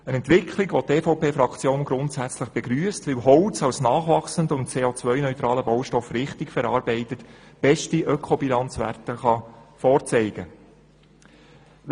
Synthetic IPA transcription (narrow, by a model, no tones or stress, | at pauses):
ənɛntʋɪkʰlɪɡʋoteːfoʊpeːfɾɑkʰt͡sjoːnɡɾʊntsæt͡sləχb̥ɛɡɾyːəstʋɪwɦɔʊt͡sɑwsnɑːχʋɑχsəndəʊnt͡seːoːt͡sʋœʏnœʏt̪ɾɑːləbowʃtɔfɾɪχtɪkfɛɾɑːɾbɛɪtətb̥ɛʃtiʔœkʰɔbilɑnt͡sʋæ̰rtəχɑfɔːɾt͡sɛɪɡ̥ə